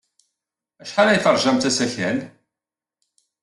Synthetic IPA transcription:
æʃħalæjθɑɾˤʒæmt̪æsæçæn

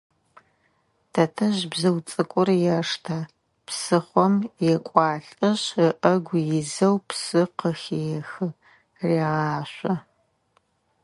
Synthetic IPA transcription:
tʰɐtʰɐʑbzɐwt͡sʼɨkʷʼʊrjɛʂtʰaː | psɨχʷɔmjɛkʷʼɑːɬʼɐɕəʔɐɡʷjɪzɐwpsɨqəxeːjɛxɨ | reːʁɑːɕʷɐ

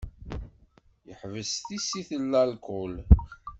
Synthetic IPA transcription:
jəħvəsθisiθəlːælkʊl

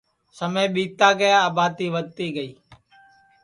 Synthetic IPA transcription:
səmẽːɓiːt̪aːɡəjaaːbaːd̪̚iːʋəd̪̚t̪iːɡəiː

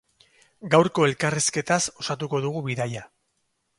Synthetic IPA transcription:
ɡawɾko̞e̞lkariske̞t̪aso̞sat̪uko̞ðuɣuβiðaja

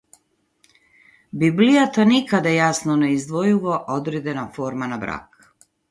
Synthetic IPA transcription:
biblijat̪anikad̪ajasnoneizd̪ʋojuʋoʔod̪ɾed̪enafoːɾmanabɾa̰ːk

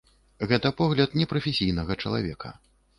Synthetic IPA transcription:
ɣɛt̪ɐpɔɣlʲɐt̪nʲɛpɾɐfʲɛsʲijnɐɣɐt͡ʂɐlˠa̰vʲɛkɐ̰

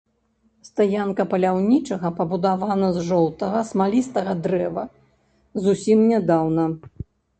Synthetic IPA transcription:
st̪ajankɐpɐlʲawnʲit͡ʂɐɣɐpɐbud̪avanɐzʐɔlˠt̪ɐɣɐsmalʲist̪ɐɣɐd̪ɾɛvɐ | zusʲimnʲɛd̪awnɐ

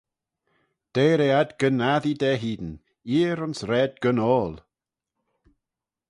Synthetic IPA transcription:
d̥eːɾeadɡənaðidɛːɦiːd̪ən̩ | iːɾʊnsɾɛːd̚ɡənɔːlˠ

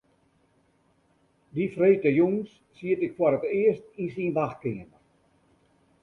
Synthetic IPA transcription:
difreːtəjuŋsːiətɪkfwaɾətɪəstinsinʋaxkɪŋənə

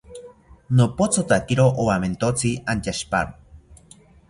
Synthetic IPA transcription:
nopot͡sot̪akiɾoʔowament̪ot͡siant͡ʃaʃpa̰ɾo

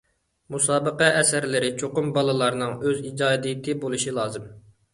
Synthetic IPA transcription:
musɑːbəqɛʔɛsæɾlɪɾɪt͡ʃʰoqʊmbɑlˠɨlˠɑɾnɨŋøzid͡ʒɑːd̪ijit̪ʰɪbolˠuʃilˠɑːzɨm

